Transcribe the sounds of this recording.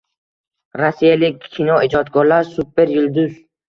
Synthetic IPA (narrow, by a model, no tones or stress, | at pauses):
ɾasijalɪkʲʰːinɒɪd͡ʒɒd̪̚ɡɒɾlaɾsupeɾjʊlˠd̪ʊz